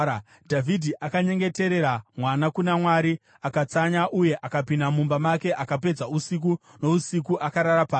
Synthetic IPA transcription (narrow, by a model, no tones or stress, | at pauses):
dʱavʱidʱiʔakaɲe̞ŋɡe̞te̞ɾe̞ɾamwanakunamwaɾi | akat͡saɲaʔuje̞ʔakapindamumbamake̞ʔakap̬e̞d͡zausik̬u | no̞usikuʔakaɾaɾapaːs